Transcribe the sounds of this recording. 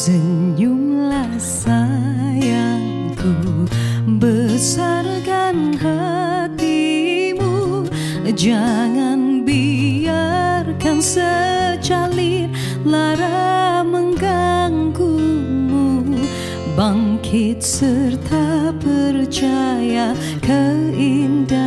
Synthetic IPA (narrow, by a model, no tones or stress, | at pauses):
səuŋlasajaŋ | ku | bəsarkanhat̪imu | d͡ʒaŋanbiarkansət͡ʃalit | laɾaməŋɡaŋkumu | baŋkʰɪt̪̚sərt̪ʰapərt͡ʃaja | kəinda